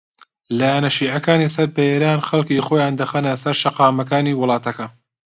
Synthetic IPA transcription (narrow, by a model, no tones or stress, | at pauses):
laːjanɐʃiːʕɐkaːnisɐɾbɐeːɾaːnxɐlˠkiːxoːjaːnd̪ɐxɐnɐsɐɾʃɐqɑːmɐkaːniːwʊlˠɑːt̪ɐkɐ